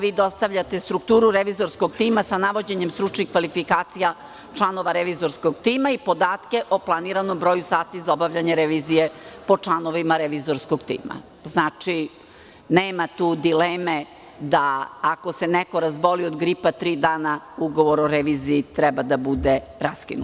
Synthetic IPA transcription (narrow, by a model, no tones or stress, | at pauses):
ʋiːd̪o̞st̪aʋʎat̪est̪ɾukt̪uːɾuɾeʋizo̞ɾskoɡt̪iːmasanaʋo̞d͡ʑeɲemst̪ɾut͡ʂnikʋalifikaːt̪sija | t͡ʂlˠano̞ʋaɾeʋiːzo̞ɾskoɡt̪iːmaipo̞d̪aːt̪ke̞ʔoplˠaniɾanombɾoːjusaːt̪izaobaʋʎaɲeɾeʋiːzije̞po̞t͡ʂlˠanoʋimaɾeʋizoɾskoɡt̪ḭːma̰ | znaːt͡ʂi | neːmat̪uːd̪ileːme | d̪aːko̞senɛko̞ɾazbo̞liod̪ɡɾipat̪ɾiːd̪aːnauɡo̞ʋo̞ɾoɾeʋiːziːt̪ɾɛbad̪abud̪eɾaskinu